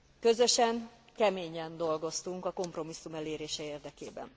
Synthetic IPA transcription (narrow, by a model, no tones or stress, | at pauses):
kø̞zø̞ʃɛŋ | kɛmeːɲɛnd̪o̞lɡo̞st̪uŋkɒko̞mpro̞misːumɛleːɾeːʃɛeːrd̪ɛkeːbɛ̰n